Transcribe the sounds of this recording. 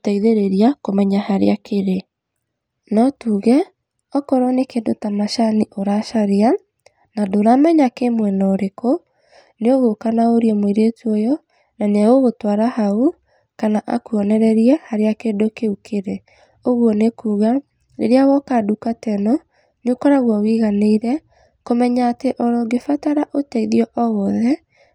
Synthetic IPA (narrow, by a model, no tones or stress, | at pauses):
otaiðeɾeɾiakomɛɲahaɾḛakeɾe | nɔtuɣɛ | ɔkɔɾɔnekeːndotamaʃaniʔoɾaʃaɾea | nadoɾaːmɛɲakemwɛnɔɾeko | neoɣokanaoɾiɛmwiɾetuɔjɔ | nanaɣoɣotwaɾahau | kanaʔa̰kuɔnɛɾɛɾiɛhaɾeakedokeukʰeɾɛ | oɣwɔnekuːɣa | nḛɾeawɔkadukatɛnɔ | nokɔɾaɣwɔwiɣaneiɾɛ | komɛɲaːteʔɔɾɔɡefataɾaʔotɛiðiɔʔɔɣɔðɛ